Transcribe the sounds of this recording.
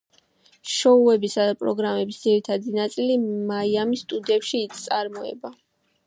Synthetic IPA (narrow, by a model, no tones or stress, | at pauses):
ʃɔuɛbisad̪apʼɾɔɡɾamɛbisd̪ziɾit̪ʰad̪inat̪sʼilimaiamist̪ʼud̪iɛpʃiːsʼaɾmɔɛ̰ba